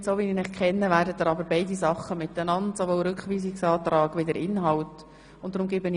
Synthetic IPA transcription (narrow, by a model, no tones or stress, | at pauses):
tsoʋininɪχkʰɛnːəʋæːrdəd̥̪əɾɑbəɾbeɪdisɑχːəmɪtənɑntsoʋoːɾʏkχʋiːsɪksɑːt̪ɾɑːɡʋɪdəɾʔɪnɦɑwt | ʊntːdɾʊmɡ̥ɪbəni